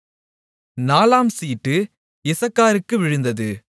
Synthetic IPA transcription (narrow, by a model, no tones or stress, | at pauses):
naːlaːmsiːʈːɯ | ɪsɐkːaːɾɯkːɯʋɪɻɯnd̪ɐðɯ